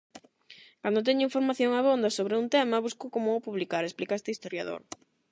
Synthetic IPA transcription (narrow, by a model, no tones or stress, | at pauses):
kand̪ot̪ɛɲʊiɱfoɾmaθjoŋaβond̪ɐsoβɾeunt̪ɛmɐβuskokomʊopuβlikaɾesplikaest̪eist̪oɾjaðo̰ɾ